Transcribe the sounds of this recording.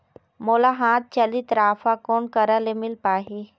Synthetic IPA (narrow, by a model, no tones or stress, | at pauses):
moːlaɦaːt̪̚t͡ʃɐlit̪ɾaːfakoːnkɐɾəlemɪlpaːɦi